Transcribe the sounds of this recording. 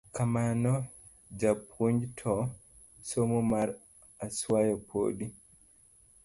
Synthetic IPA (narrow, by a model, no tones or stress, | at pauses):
kamanɔ | d͡ʒapuɲd͡ʒtʰɔ | somumaɾ | asuwajɔpʰo̰ːɗi